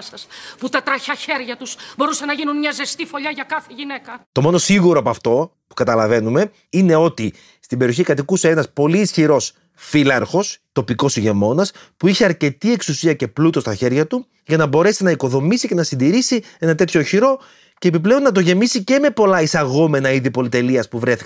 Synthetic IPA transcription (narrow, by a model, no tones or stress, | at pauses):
sɐsput̪ɐt̪ɾɐçɐçe̞ɾʝɐt̪usbo̞ɾusɐnɐʝinunɲɐzest̪ifo̞ʎɐʝɐkɐθeʝine̞kɐt̪o̞mo̞no̞siɣuɾoɐpoɐft̪o̞ | pu̥kɐt̪ɐlɐve̞nume̞ | ine̞o̞t̪i | st̪imbe̞ɾio̞çikɐt̪ikusenɐspo̞liːsçiɾo̞s | filɐɾxo̞st̪o̞piko̞siʝe̞mo̞nɐspuiçiɐɾce̞t̪ie̞ksusiɐce̞plut̪o̞st̪ɐçe̞ɾʝɐt̪u | ʝɐnɐbo̞ɾe̞sinɐiko̞ðo̞misicenɐsind̪iɾisie̞nɐt̪e̞t̪ço̞çiɾo̞ | ce̞ːpiple̞onːɐt̪̬o̞ʝe̞misice̞me̞po̞lɐisɐɣo̞me̞nɐiðipo̞lit̪e̞liɐspuvɾeθik